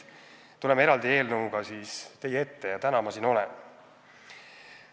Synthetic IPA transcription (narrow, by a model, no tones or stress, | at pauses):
t̪ule̞meɾɑld̪ie̞ːlnɤuɡ̥ɑsiːst̪e̞jee̞t̪ːe̞jɑt̪ænɑmɑsino̞lḛn